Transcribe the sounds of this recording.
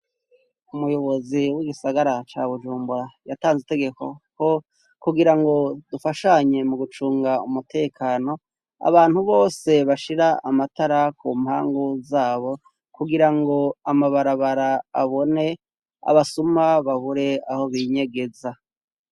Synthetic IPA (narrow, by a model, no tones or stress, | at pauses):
umujo̞βo̞ziwiɡisaɡaɾat͡ʃaβuʒuːmbuɾajataːnzite̞ɡe̞ko̞̰ko | kuɡiɾaŋɡo̞dufaʃaɲe̞muɡut͡ʃuːŋɡaṵmutʰe̞ːkʰaːno̞ | a̰βaːn̥huβo̞ːse̞βaʃiɾaamataɾakʰuːmhaːŋɡuzaːβo̞ | kuɡiɾaŋɡo̞amaβaɾaβaɾaa̰βo̞ne̞ | a̰βasumaβaβuɾe̞aho̞βiɲe̞ɡe̞za